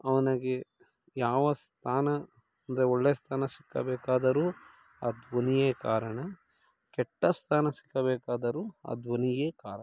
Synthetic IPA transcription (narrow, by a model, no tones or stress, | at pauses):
ɐʋɐnaɡe | jaːʋɐst̪ʰaːnɐ | ɐnd̪ɐɾeɔɭːeːst̪ʰaːnɐsi̥kːɐ̰bɛːkaːd̪ɐɾuː | ad̪ʋonijeːkaːɾɐɳɐ | kɛʈːɐst̪ʰaːnɐsi̥kːɐbɛːkaːd̪ɐɾua̰d̪ʋɐnijeːkaːɾɐ